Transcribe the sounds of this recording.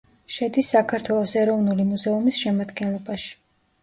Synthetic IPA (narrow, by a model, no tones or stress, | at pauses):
ʃɛd̪isːakʰaɾt̪ʰwɛlˠɔsɛɾɔvnulimuzɛumisʃɛmad̪ɡɛnlˠɔbaʃi̥